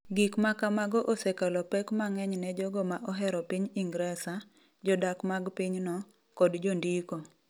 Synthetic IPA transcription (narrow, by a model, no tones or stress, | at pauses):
ɡikmakamaɡɔʔosɛkalɔpɛkmaŋɛɲnɛd͡ʒɔɡɔmaʔɔɦɛɾɔpiɲiŋɡɾɛsa | d͡ʒɔdakmaɡpiɲnɔ | kɔdd͡ʒondiko